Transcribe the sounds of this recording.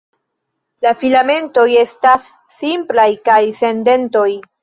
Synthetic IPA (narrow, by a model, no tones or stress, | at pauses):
lafilame̞nto̞je̞stasː | implajkajse̞nde̞nto̞j